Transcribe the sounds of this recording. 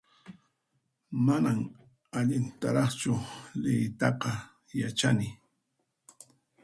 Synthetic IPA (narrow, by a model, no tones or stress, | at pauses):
manam | aʎɪnt̪aɾɑχt͡ʃʊlɪjt̪ɑqɑ | jat͡ʃanɪ